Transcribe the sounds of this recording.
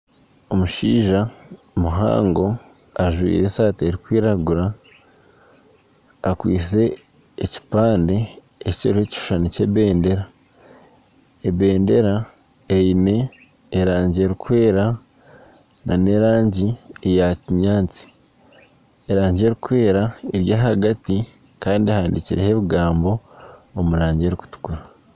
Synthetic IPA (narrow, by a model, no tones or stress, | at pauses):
o̞muʃiːʒa | muɦa̰ːŋɡo̞ | aʒwḭːɾe̞saːteɾikwiːɾaɡuɾa | kwḭːse̞ː | ci̥paːnde̞ː | ciɾuheci̥ʃʃaniceβe̞ːnde̞ɾa | eβe̞ːnde̞ɾa | ejine̞ː | ɾaːɲɟie̞ɾikwe̞ːɾa | na̰ne̞ɾaːɲɟiejaciɲaːt͡si̥ | eɾaːɲɟe̞ɾikwe̞ːɾaeɾjaːɦaɡati | kaːndiahaːndiciɾeheβiɡaːmbo̞ːmuɾaːɲɟeɾiku̥tu̥kuɾa